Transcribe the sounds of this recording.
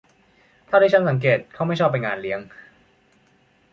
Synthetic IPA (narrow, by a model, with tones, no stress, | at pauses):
t̪ʰaː˥˩da˥˩t͡ɕʰnsa˩˦ŋk̬eː˨˩t̪̚kʰa˦˥˩wma˥˩jt͡ɕʰɔː˥˩pːa˧nŋaː˧nli˦˥əŋ